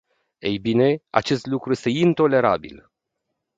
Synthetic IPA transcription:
ḛjbine̞a̰t͡ʃe̞st̪lukɾuje̞st̪e̞int̪o̞le̞ɾa̰bḭl

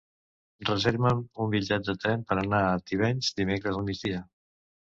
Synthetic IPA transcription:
rrəzeɾβəmumbiʎɛt̪̚d̪ət̪ɾɛmpəɾənaət̪iβ̞ɛɲzd̪imekɾəzəlˠmid͡zðiə

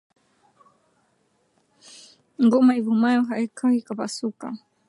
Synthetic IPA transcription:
ŋɡɔmaivumajɔɦaikʰawikapasuka̰

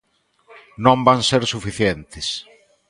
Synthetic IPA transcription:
nõmbaŋseɾsufiθjent̪ɪs

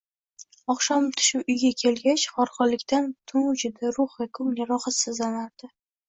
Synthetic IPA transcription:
ɒχʃɒmt̪ʰʊ̥ʃɪpʊjɡʲakʲʰe̞lɡʲat͡ʃχɒɾqɒlɪkʲt̪ant̪ʰʊŋʊd͡ʒɪd̪aɾʊχvakʰʊmjaɾɒχat̪sɪzlanaɾd̪̥ɪ

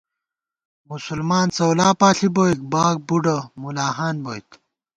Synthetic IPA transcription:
musulmaːnt͡sɐwlaːpaːɬibojk̚baːk̚buɖɐmulaːɦaːnboːjt̪

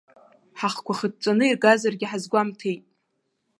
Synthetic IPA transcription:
ħaχkʷʰaχəd̚t͡sʷʼanɨirɡazarɡʲɪħazɡʷamtʰejtʼ

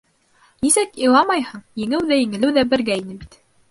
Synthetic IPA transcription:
nisɘkilˠɑmɑjhɤɴjɘ̆ŋɘwðæjɘ̆ŋɘ̆lɘwðæbɘ̆ɾɡæinɘbit̪

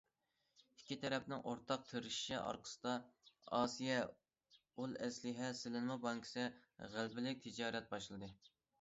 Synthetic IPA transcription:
i̥kʲːit̪ʰɛɾɛpnɪŋʔoɾt̪ʰɑq̚t̪ʰeɾɪʃi̥ʃḭʔɑ̰ɾqʰə̥sɨ̥d̪ɑɑːsijɛ | ulˠɛslɪɦɛsɪlɪnmɑbɑŋkʰɪ̥sɪʁælbɪlɪk̚ʲt̪ʰɪd͡ʒɑːɾɛt̪̚bɑʃlˠɨd̪ɨ

